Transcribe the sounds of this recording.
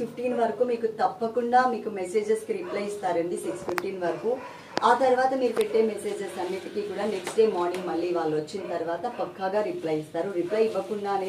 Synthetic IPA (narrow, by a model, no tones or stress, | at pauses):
uʈiːnʋɐɾɐkumiːkut̪ɐpːɐkuɳɖaːmiːkumese̞ːd͡ʒɐskiɾiplɐjist̪aːɾɐnd̪isiksfuʈːiːnʋɐɾɐku | aːt̪ɐɾuʋaːt̪ɐmiːɾupeʈːe̞ːmese̞ːd͡ʒɐsɐnːiʈ̪ikikuːɽaːneksʈɖe̞ːmaːɾniŋɡmɐɭːiːʋaːɭːuʋɐt͡ʃːinɐt̪ɐɾuʋaːt̪ɐpɐkːaːɡaːɾiplɐjist̪aːɾuɾiplɐjiʋɐkuɳɖaːn